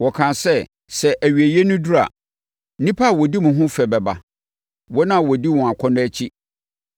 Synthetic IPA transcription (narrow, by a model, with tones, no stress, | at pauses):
wɔ˨kʰã˨sɛ˦˨ | sɛ˨ʔæ˨ɥi˨æ˨je˦nũ˦du˦ɾa̰˨ | n̩˦nĩ˦pʰa˦˨wɔ˨di˦mũ˨ɦʊ̃˦fɛ˨bɛ˨ba̰˨ | wɔ˦nã˦˨wɔ˨di˦wɔ̃˨a˨kʷʰɔ̃˦nʊ̃˦æ˦t͡ɕʰi˦